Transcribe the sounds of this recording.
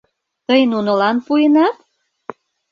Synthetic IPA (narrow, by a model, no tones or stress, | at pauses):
t̪əjnunə̆lɑnpujenɑt̪